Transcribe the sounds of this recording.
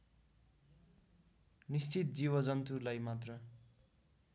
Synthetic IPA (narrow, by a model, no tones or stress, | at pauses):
nist͡sit̪̚d͡ziβʌd͡zʌnt̪ulajmat̪rʌ